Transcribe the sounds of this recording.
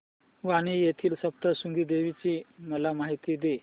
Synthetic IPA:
ʋaɽ̃iːjet̪ʰiːlsəp̚t̪əsuŋɡiːd̪eʋit͡ɕiːməlamaɦit̪iːd̪e

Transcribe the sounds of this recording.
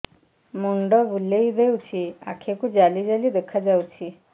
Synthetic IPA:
moɳɖɔʋulːeid̪ʱewt͡ɕʰia̰kʰekud͡ʑalid͡ʑalid̪əkʰːad͡zawt͡ɕʰi

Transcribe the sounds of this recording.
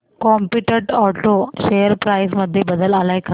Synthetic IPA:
kɔmpiʈəɾɖɔʈoɕejəɾpɾajs̬məd̪ʱːjebəd̪əlalajkʰa

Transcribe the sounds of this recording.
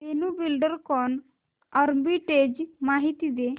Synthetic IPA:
t̪enubilɖəɾkɔn | əɾbiʈed͡ʑmaɦit̪id̪e

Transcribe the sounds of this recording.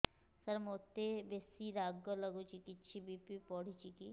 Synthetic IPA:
sɐɾmoːt̪ːebesiɾaːɡːolɐɡot͡ʃikit̪ːt͡ʃʰibipipɔːɽ̤ʱit͡ʃiki

